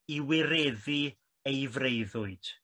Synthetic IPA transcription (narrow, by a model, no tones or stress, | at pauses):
iwɪɾɛði | ejvrejðʊɨd̥